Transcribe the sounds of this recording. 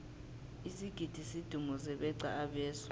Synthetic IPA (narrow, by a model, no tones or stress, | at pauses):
isiɡ̥ʱid̥ʱisid̥ʱumɔsɛɓɛǀa̰aɓɛːsḁ